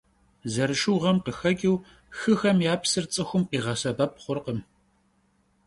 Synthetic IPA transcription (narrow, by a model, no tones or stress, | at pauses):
zɐɾɨʃuʁɐmqəxɐɡʲʼiw | xɨxɐmjaːpsɨrt͡sʼɨxʷʊmqʼiːʁɐsɐbɐp̚χʷʊrqəm